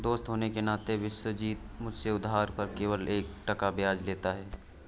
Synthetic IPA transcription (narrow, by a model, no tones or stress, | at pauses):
d̪oːst̪ɦoːnekenaːt̪eʋɪʃwəd͡ʒiːt̪mʊd͡ʒʱseʊd̪ɦaːɾpɐɾkeːʋəleːkʈɐkabjaːd͡ʒleːt̪aɦɛː